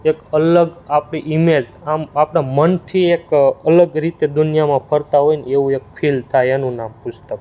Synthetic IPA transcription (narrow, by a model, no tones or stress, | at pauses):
ekələɡapɽiʔimed͡ʒamapnamənt̪ʰiekələɡɾit̪ed̪unijamãpʰəɾt̪aɦojneʋũek̚fʰilt̪ʰajenũnampʊsʰt̪ək